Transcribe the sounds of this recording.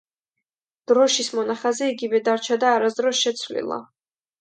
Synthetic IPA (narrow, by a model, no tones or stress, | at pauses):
d̪̥ɾɔʃismɔnaχazɛiɡivɛd̪aɾt͡ʃʰad̪aːɾasd̪ɾɔsʃɛt̪sʰvlḭlˠa̰